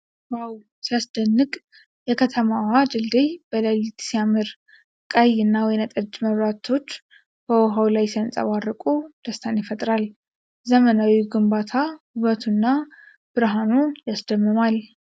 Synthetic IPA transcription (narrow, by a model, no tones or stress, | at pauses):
waw | siasd̪ənːɨkʼ | jɛkʰət̪ʰəmaad͡ʒɨld̪ejb̥əlalit̪siamɨɾ | kʼajːɨnːawɔjnat̪ʼəd͡ʒməβɾat̪ʰo̞t͡ʃː | b̥əwɔɦawlajsiansʼa̰βarːəkʼud̪̥əst̪ʰanjɪfət̪ʼɾal | zəmənawiɡɨmbat̪ʰahɨβət̪ʰunːa | b̥ɨɾɦanujasd̪əmːɨmal